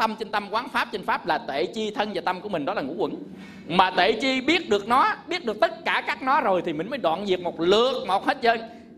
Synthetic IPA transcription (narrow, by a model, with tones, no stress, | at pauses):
t̪ə˧mt͡ɕe˧nt̪a˧mkwaː˨˦nfaː˦˥p̚t͡ɕe˧nfaː˦˥p̚laː˨˩t̪ḛ˧˨t͡ɕi˧t̪ʰə˧nvaː˨˩t̪a˧mku˧˩əï˨˩ŋ̟ɗɔ˨˦laː˨˩ŋṵ˧˥kwə̰˧˩n | maː˨˩t̪ḛ˧˨t͡ɕi˧ɓi˦˥ət̚ɗɨ˨˩ək̚nɔ˨˦ɓi˦˥ət̚ɗɨ˨˩k̚t̪ə˦˥t̚kaː˧˩kaː˦˥k̚nɔ˨˦zo˨˩jt̪ʰi˨˩mï˨˩ŋ̟məː˨˦jɗwa̰ː˧˨nzi˨˩ək̚mo˨˩t̚lɨ˨˩ək̚mo˨˩he˦˥t̚zəː˧j